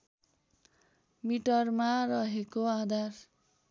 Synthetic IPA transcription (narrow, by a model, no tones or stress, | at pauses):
miʈʌrmarʌɦekoad̪ʱar